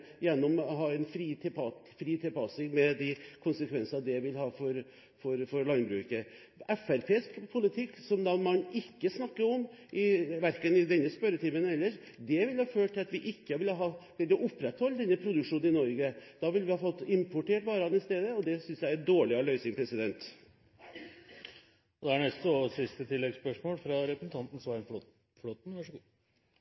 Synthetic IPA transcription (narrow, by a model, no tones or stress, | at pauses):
jɛnːɔmɦɑːɛnfɾiːt̪ʰɪlpʰɑt̪ | fɾiːt̪ʰɪlpʰɑsɪŋmɛd̪ɪkʰʊnsəkʰʋɛnsənɑd̪ɛʋɪlhɑːfɔɾ | fɔɾfɔɾɭɑnbɾʉːkə | ɛfæɾpʰeːskpʰʊlɪt̪ʰɪkːsɔmd̪ɑmɑnɪkːəsnɑkːəɾɔmʔɪʋæɾkənɪd̪ɛnːəspœɾət̪ʰiːmənɛlːəʂ | d̪ɛʋɪlhɑːføːʈʈ̪ʰːɪlɑt̪ʋɪʔɪkːəʋɪlɦɑkɛnɔʔʊpːɾɛt̪hɔlːd̪ɛnːəpʰɾʊd̪ʉkʂuːnnɪnɔɾɡəd̪̥ɑːʋɪlʋɪhɑfɔt̪ːɪmpʰʊʈeːʈʋɑːɾɑnəɪst̪eːd̪əɔd̪ɛsʏnsjæɪæd̪oːɭɪɑɭœʏsɪŋpʰɾɛsɪd̪ɛnt̪ | ɔd̪ɛæɳɛst̪ːsɪst̪ət̪ʰɪlːɛɡspœʂmoːlfɾɑɾɛpɾəsn̩t̪ʰɑnt̪n̩sɔɑɾɛnf | flot̪n̩ʋɑʂ